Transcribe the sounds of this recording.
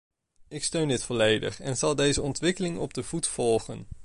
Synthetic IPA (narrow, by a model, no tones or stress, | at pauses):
ɪkstøɥndɪtfɔlejdə̰χɛnz̥ɑlˠdejzəɔntʋɪkəlɪŋɔb̚dəvutfɔlˠχən